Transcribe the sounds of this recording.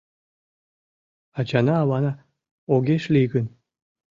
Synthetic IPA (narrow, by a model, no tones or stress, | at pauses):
at͡ɕanaːwɑna | oɡʲeʃlʲiɡən